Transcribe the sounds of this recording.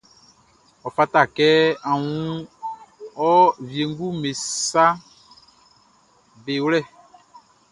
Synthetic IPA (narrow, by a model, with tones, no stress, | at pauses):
ɔ˨fa˦ta˦˨kɛ˦a˨wũ˦ | ɔ˦vje˨ŋɡu˦me˨sa˦ | be˨wlɛ˦˨